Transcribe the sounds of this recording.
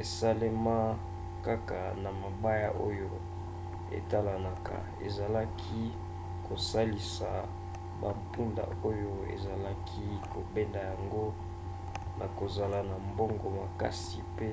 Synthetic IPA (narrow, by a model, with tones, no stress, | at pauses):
e˨sa˦le˦ma˦ | ka˦ka˨na˨ma˨ba˦ja̰˦ʔo˦jo˦ | ḛ˨ta˦la˨na˨ka̰˨ | ḛ˨za˨la˦kʰi˦ | ko˨sa˦li˨sa˨ | ba˨mpu˦nda̰˨o˦jo˦ḛ˨za˨la˦kʰi˦ko˨be˦nda˨ja˨ŋɡo˦ | na˨ko˨za˨la˨na˨mbo˦ŋɡo˨ma˨ka̰˦si˨pe˦